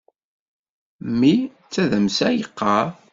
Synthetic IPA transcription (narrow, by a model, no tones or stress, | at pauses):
mːi | t͡sːæðəmsæjəqːɑɾ